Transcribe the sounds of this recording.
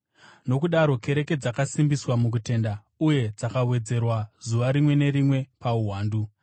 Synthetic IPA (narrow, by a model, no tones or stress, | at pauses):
no̞kuɗaɾo̞ke̞ɾe̞ke̞d͡zakasimbiswamuk̬ute̞nda | uje̞d͡zakawe̞d͡ze̞rwazuʋaɾimwe̞ne̞ɾimwe̞pauwaːndu